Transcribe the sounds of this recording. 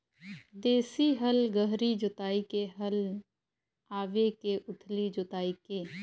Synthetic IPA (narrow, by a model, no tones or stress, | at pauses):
d̪eːsiɦəlɡəɦɾid͡ʒʊt̪aːikeɦəl | aːʋekeʔʊʈʰlid͡ʒʊt̪aːikeː